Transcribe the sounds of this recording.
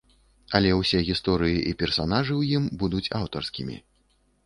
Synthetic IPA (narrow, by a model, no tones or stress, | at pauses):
ɐlʲɛwsʲɛɣʲist̪ɔɾɨjiʔipʲɛrsanaʐɨwjimbud̪ut͡sʲawt̪ɔrskʲimʲḭ